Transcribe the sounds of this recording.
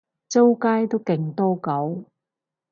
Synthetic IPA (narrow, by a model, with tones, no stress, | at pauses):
t͡so˥wkaː˥jt̪o˥wkɪ˨ŋt̪ɔː˥kɐ˨˥w